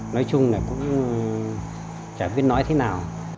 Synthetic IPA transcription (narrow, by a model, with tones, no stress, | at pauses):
nɔ˨˦jt͡ɕʊ˧ŋ͡mna˨˩kʊ̰˧˥ŋ͡m | t͡ɕaː˧˩ɓi˦˥ət̚nɔ˨˦jt̪ʰe˨˦naː˨˩w